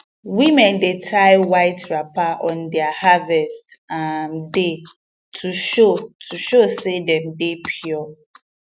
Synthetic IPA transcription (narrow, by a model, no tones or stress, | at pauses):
wimɛ̃ndetʰaɪwaɪtɹapaʔɔ̃ndɛahavɛstamde | tʰuʃotʰuʃosedɛ̃mdepʰjɔ